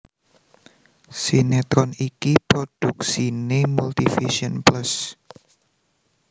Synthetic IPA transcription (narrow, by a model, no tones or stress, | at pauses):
sinet̪ɾɔnikipɾod̥uk̚sinemult̪ifiʃiənplas